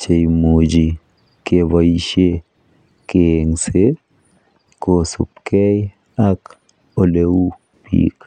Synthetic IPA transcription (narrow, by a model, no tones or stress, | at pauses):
t͡ʃejmod͡ʒi | keβaiʃe | keŋse | kosṵp̚kɛj | ak | oleu | pḭk